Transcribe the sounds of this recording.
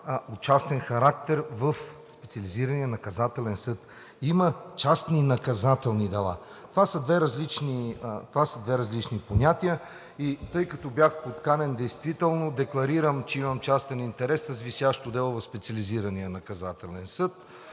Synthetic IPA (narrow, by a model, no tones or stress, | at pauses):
ot͡ʃast̪ɛnxɐɾak̚t̪ɛɾvɐfspɛ̥t̪siɐliziɾɐnijənɐkɐzat̪ɛlɛnsɤt̪ | imət͡ʃast̪ninɐkɐzat̪ɛlˠnid̪ɛlˠa̰ | t̪ovasəd̪vɛɾɐzlit͡ʃnit̪ovasəd̪vɛɾɐzlit͡ʃniponʲat̪ijə | it̪ɤjkɐt̪objaxpot̪kanɛnd̪ɛjst̪vit̪ɛlˠnod̪ɛklˠɐɾiɾəmt͡ʃɛimɐmt͡ʃast̪ɛnint̪ɛɾɛsːɐzvisʲjaʃt̪od̪ɛlˠʊvɐfspɛt̪siɐliziɾɐniənɐkɐzat̪ɛlɛnsɤt̪̚